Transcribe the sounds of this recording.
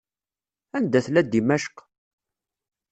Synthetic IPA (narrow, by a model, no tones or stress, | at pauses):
ænd̪æθlæd̪imæʃə̥q